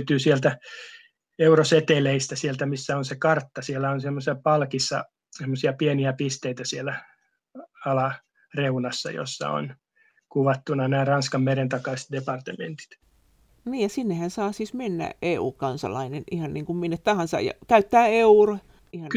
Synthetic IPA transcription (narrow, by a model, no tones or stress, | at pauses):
t̪yːsielt̪æ | euroset̪eleist̪æsielt̪æmisːæonsekɑrt̪ːɑsielːæonsemːosɑpɑlkisːɑ | semːosiɑpieniæpist̪eit̪æsielæ | ɑlɑ | reunɑsːɑ̰jo̰sːɑ̰o̰n | kuʋɑt̪ːunɑnæːrɑnskɑmmerent̪ɑkɑist̪̚depɑrt̪ement̪i̥t̪ | niːjjɑsinːehænsɑːsiːsmenːæ̰eṵːkɑnsɑ̰lɑ̰inenihɑnniːŋkumminːet̪t̪ɑhɑnsɑ̰jɑ̰kæyt̪ːæːeuro | ihɑ